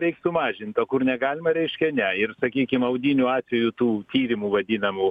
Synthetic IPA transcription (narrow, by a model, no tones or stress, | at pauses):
ɾʲɛɪksʊmɑːʒʲɪnt̪oːkʊrnʲɛɡɑːlʲɪmɐɾʲɛɪʃʲkʲɛnʲɛɪrsɐkʲiːkʲɪmɐʊd̪ʲinʲʊɑːt̪ʲʋʲɛjut̪uːt̪ʲiːɾʲɪmuːʋɐd̪ʲɪnɐmuː